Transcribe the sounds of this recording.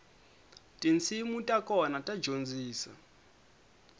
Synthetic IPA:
tʼint͡sʰimutʼakɔnatʼḁd͡ʒʱond͡ziːsa̰

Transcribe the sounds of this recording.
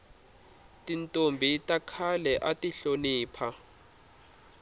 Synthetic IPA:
tintʼombʱitakʰalɛʔatiɬoniːpʰa

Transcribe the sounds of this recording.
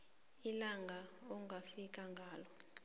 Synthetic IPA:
ilaŋɡʱaɔŋʱafik̬ʼaŋɡʱaːlɔ

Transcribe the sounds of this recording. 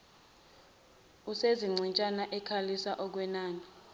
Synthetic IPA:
useziŋ͡ǀʱint͡ʃʼanaʔɛkʰalisaʔɔk̬wɛnaːni

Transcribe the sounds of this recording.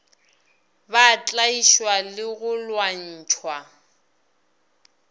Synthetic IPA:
bat͡ɬʼaiʃwalɪɣʊlwan̩ːt͡ʃʰwa

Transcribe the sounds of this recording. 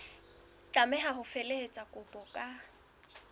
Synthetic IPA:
t͡ɬʼamɛɦaɦʊfelehet͡sʼakʼʊbʼɔkʼa

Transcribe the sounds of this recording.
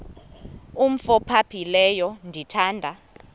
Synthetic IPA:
um̩fɔpʰapʰilɛjɔndʱitʰaːndʱa

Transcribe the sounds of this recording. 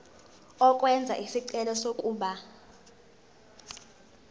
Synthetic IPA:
ɔk̬ʼwɛnd͡zʱa̰ʔisiǀɛlɔsokʼuːɓa

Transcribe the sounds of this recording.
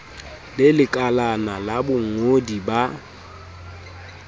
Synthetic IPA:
lɪlɪkʼalanalabʊŋ̩odiba

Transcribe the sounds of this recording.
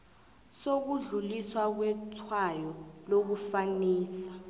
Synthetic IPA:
sok̬uɮuliswak̬wɛtʰwajɔlok̬ufaniːsḁ

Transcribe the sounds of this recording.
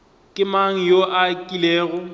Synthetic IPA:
kʼɪmaŋ̩joʔakʼileːɣʊ

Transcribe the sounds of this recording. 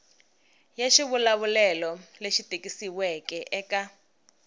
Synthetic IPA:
jaʃiβulaβulɛlɔleʃitʼekʼisiwɛkʼɛʔɛkʼa

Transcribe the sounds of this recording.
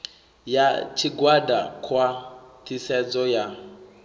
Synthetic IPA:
jat͡ʃʰiɡwadakʰwat̪ʰisɛd͡zɔja

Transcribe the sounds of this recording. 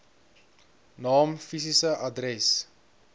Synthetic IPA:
nɑːmfisisəʔɐdrɛs

